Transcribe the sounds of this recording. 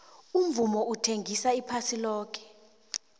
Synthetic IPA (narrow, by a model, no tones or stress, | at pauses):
um̩vumɔutʰeŋɡʱisaipʰasilɔːk̬ɛ̥